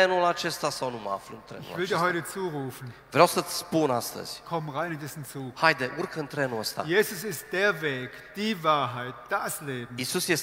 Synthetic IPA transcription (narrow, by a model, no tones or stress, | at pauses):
enulat͡ʃe̞st̪asawnuməa̰flɨ̰nt̪ɾḛɪṵvɪldiːɐɦɔʏtət͡suːʁuːfn̩ | vɾeawsət͡sspunast̪ə̰z̥ʲkʰɔmnʁaɪnʊndɛsn̩t͡suːhajd̪eʔurkəɨnt̪ɾe̞nuəst̪a̰jeːzʊsɪst̚d̥eːɐveːk | d̥iːvaːɐɦaɪt̚d̥asleːbm̩isusjes